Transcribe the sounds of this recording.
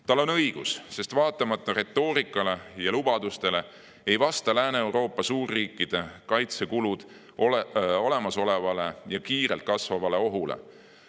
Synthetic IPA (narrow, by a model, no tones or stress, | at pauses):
t̪ɑlːo̞nɤjɡ̥usse̞st̪vɑːt̪ːˑɑmɑt̪ˑːɑɾe̞t̪ːo̞ːɾikːˑɑle̞jɑlub̥ɑd̪̥ust̪e̞le̞ | ejvɑst̪ɑlæːneewɾo̞ːpːˑɑsuːrːiːkˑːid̪̥e̞kɑjt̪se̞kulud̪̥ | o̞le̞mɑso̞le̞vɑle̞jɑkiːɾelt̪̚kɑsvɑvɑle̞o̞ɦulḛ